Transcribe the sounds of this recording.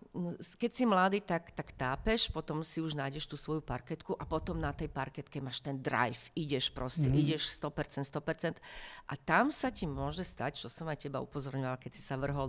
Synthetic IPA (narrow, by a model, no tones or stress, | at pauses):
skɛcsimlad̪iːt̪akt̪akt̪aːpɛʃpɔt̪ɔmsiuʒnaːjɟɛʃt̪uːsʋɔjupaɾkɛt̪kuʔapɔt̪ɔmnat̪ɛjpaɾkɛt̪kɛmaːʃt̪ɛnd̪ɾa̰jfiɟɛʃpɾɔscɛiɟɛʃst̪ɔpɛɾt͡sɛnt̪st̪ɔpɛɾt͡sɛnt̪ʔa̰t̪amsacimʊɔʒɛst̪act͡ʃɔsɔmajcɛba̰ṵpɔzɔɾɲɔʋalkɛsi̥saʋr̩ɦɔl